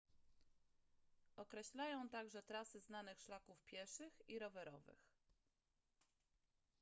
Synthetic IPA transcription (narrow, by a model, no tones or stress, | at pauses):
ʔɔkɾɛɕlajɔ̃w̃t̪aɡʐɛt̪ɾasɘznanɘxʂlakufpʲjɛʂɘxiɾɔvɛɾɔvɘ̰x